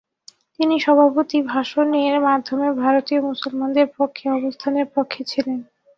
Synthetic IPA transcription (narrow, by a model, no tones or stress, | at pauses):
t̪iniʃɔbʱapot̪ibʱaʃoneeɾmad̪ʱːomebʱaɾot̪iomusolmand̪eɾpokʰːeɔbost̪ʰaneɾpokʰːet͡ɕʰilen